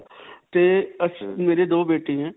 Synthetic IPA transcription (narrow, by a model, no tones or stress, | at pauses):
t̪eɐsmeːɾed̪oːbeːʈeɦɛ̃ː